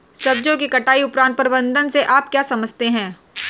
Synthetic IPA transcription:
sɐbd͡ʒõkikɐʈaːiʊpɾãːnt̪pɐɾbə̃nd̪ʱənseʔaːp̚kjaːsɐməd͡ʒʱt̪eɦɛ̃ː

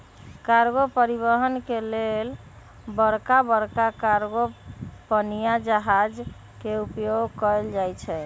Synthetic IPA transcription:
kaɾɡopəɾibəɦənkelel | bəɾkabəɾkakaɾɡopənijad͡ʒəɦad͡ʒ | keupjoɡkɔeld͡ʒajt͡ʃʰɛ

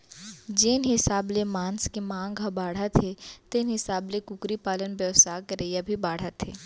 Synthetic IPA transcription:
d͡ʒɪnɦɪsaːblemãːnskemãːŋɡabaːɽ̤at̪ʰet̪ɪnɦɪsaːblekʊkɾipaːlənbɛʋsaːkəɾeːjabʱibaːɽ̤at̪ʰḛː

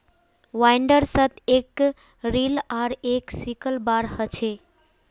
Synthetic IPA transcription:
ʋajɳɖəɾsət̪ek | ɾilaɾeksikəlbaɾhət͡ʃʰe

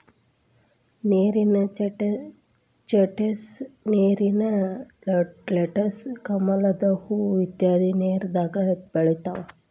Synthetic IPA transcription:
neːɾinɐ | t͡ʃɐʈesneːɾinɐ | leʈɐskɐmɐlɐd̪ɐhuʋid̪jaːd̪ineːɾd̪aːɡɐbɐɭit̪aʋɐ

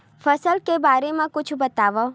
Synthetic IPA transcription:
fʰəsəlkebaːɾemãkʊt͡ʃʰbət̪aːʋo

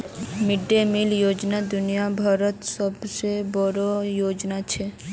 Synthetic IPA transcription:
mɪɖːemiljoːd͡ʒnad̪ʊnijabʱaɾət̪səbsebɔɾojoːd͡ʒnat͡ʃʰe

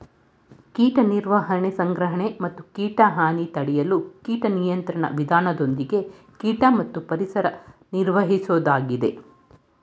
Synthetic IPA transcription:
kiːʈɐniɾʋɐɦɐɳesɐŋɡɾɐɦɐɳemɐt̪ːukiːʈɐɦaːnit̪ɐɽɛjɐlukiːʈɐnijɐnt̪ɾɐɳɐ̰ʋid̪ʱaːnɐd̪o̞nd̪iɡe̞ | kiːʈɐmɐt̪ːupɐɾisɐɾɐniɾʋɐɦisoːd̪aːɡid̪e̞̰

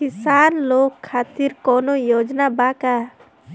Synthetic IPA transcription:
kisanlokʰːat̪iɾkɔnojod͡ʒnabaka

